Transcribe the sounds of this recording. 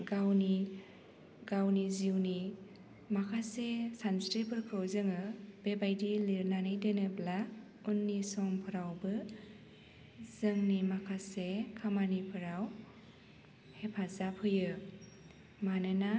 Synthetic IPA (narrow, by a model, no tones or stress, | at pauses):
ɡawni | ɡawniziwni | makʰasesanstɾipʰɯɾkʰɾɯwzɯŋɯb̥ebajdiliɾnanajdɯnɯbla | unːisɔŋpʰɯɾawbɯ | zɯŋnimakʰasekʰamanipʰɯɾaw | hepʰazapʰɯjɯ | manɯna